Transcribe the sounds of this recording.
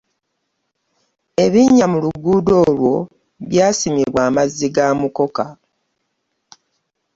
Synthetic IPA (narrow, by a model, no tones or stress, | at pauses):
e̞βiɲamuluɡuːdo̞ːlwo̞ | βjaːsimiβwaːmazːiɡaːmuko̞ka